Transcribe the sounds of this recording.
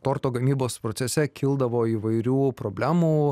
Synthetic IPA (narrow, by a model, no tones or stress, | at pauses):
t̪oːɾt̪oːɡɐmʲiːboːspɾoːt̪sʲɛsʲɛkʲʰɪlˠd̪ɐʋoːiːʋɐɪɾʲuːpɾoːbʲlʲæːmuː